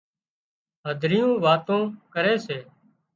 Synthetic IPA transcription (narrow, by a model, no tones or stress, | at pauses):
ɦəd̪ʱɾɪjõːʋaːt̪õːkəɾeːseː